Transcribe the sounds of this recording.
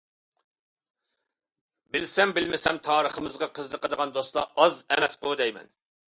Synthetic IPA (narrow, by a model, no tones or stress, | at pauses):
bɪlsɛmbɪlmɪsɛmt̪ʰɑːɾəχəmɨzʁɑqʰəznəqʰəd̪əʁɑnd̪ost̪lˠɑ̰ɑzɛ̰mɛsqʊd̪ɛjmɛ̰n